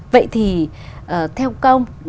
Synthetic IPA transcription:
və̰˧˨jt̪ʰi˨˩ | ʔəː˨˩t̪ʰɛ˧wkə˧wŋ͡m

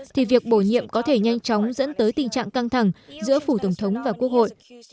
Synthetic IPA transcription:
t̪ʰi˨˩vi˨˩ək̚ɓo˧˩ɲḭ˧˨əmkɔ˨˦t̪ʰe˧˩ɲa˧jŋt͡ɕɔ˨˦wŋ͡mzə̰˧˥nt̪əː˨˦jt̪ï˨˩ŋ̟t͡ɕa̰ː˧˨ŋka˧ŋt̪ʰa˧˩ŋzɨ̰˧˥əfu˧˩t̪ə˧˩wŋ͡mt̪ʰə˨˦wŋ͡mvaː˨˩ku˦˥ək̚ho̰˧˨jʔ

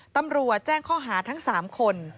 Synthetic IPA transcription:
t̪a˧mɾu˨˩ət̪̚t͡ɕɛː˥˩ŋkʰɔː˥˩ɦaː˩˦t̪ʰa˦˥ŋsaː˩˦mkʰo˧n

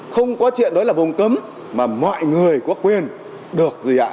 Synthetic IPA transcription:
xə˧wŋ͡mkɔ˨˦t͡ɕwḭ˧˨ənɗɔ˨˦jlaː˨˩vo˨˧˩ŋ͡mkə˨˦m | maː˨˩mɔ̰˧˨jŋɨ˨˩əjkɔ˨˥əkwi˧ən | ɗɨ˨˩ək̚zi˨˩ʔa̰ː˧˨

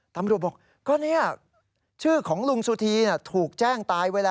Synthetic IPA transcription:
t̪a˧mɾu˨˩t̪̚bɔː˨˩k̚ | kɔː˧˥˩ni˦˥ɐ | t͡ɕʰɯː˥˩kʰɔː˩˦ŋlu˧ŋsu˧t̪ʰiː˧ni˧˥˩t̪ʰuː˨˩k̚t͡ɕɛː˥˩ŋt̪aː˧jweː˧laː˧

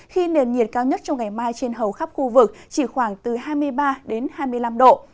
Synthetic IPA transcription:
xi˧ne˨˩nɲi˨˩ət̚kaː˧wɲə˦˥t̚t͡ɕɔ˧ŋ͡mŋa˨˩jmaː˧jt͡ɕe˧nɦə˨˩wxa˦˥p̚xu˧vɨ˨˩k̚t͡ɕi˧˩xwaː˧˩ŋt̪ɨ˨˩ɦaː˧jmɨ˧əjɓaː˧ɗe˨˦nhaː˧jmɨ˧əjla˧mɗo̰˧˨

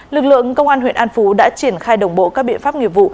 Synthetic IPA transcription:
lɨ˨˩k̚lɨ̰˧˨əŋkə˧wŋ͡mʔaː˧nhwḭ˧˨ənʔaː˧nfu˨˦ɗa̰ː˧˥t͡ɕi˧˩ənxaː˧jɗə˨˩wŋ͡mɓo̰˧˨kaː˦˥k̚ɓḭ˧˨ənfaː˦˥p̚ŋi˨˩əp̚vṵ˧˨

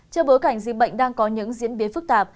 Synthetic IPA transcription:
t͡ɕɔ˧ɓo˨˦jka˧˩jŋ̟zḭ˧˨k̚ɓə̰˧˨jŋ̟ɗaː˧ŋkɔ˨˦ɲɨ̰˧˥ŋzḭ˧˥ənɓi˨˦fɨ˦˥k̚t̪aː˨˩p̚

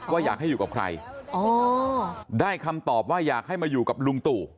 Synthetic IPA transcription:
waː˥˩jaː˨˩k̚ha˥˩juː˨˩ka˨˩p̚kʰɾa̰˧jo˧ | daː˥˩jkʰa˧mt̪ɔː˨˩p̚waː˥˩jaː˨˩k̚ha˥˩jmaː˧juː˨˩ka˨˩p̚lu˧ŋt̪uː˨˩

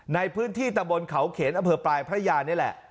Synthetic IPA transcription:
na˧jpʰɯː˦˥nt̪ʰiː˥˩t̪a˧mbo˧nkʰa˦wkʰeː˩˦nʔa˧mpʰɤː˧pɾlaː˧jpʰɾa˦˥jaː˧ni˦˥ɐ˨lɛ̰˨˩ʔ

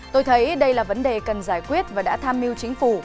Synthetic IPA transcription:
t̪o˧jt̪ʰə˨˦jɗə˧jlaː˨˩və˨˦nɗe˨˩kə˨˩nzaː˧˩jkwi˦˥ət̚vaː˨˩ɗa̰ː˧˥t̪ʰaː˧mːi˧əwt͡ɕï˨˦ŋ̟fu˧˩

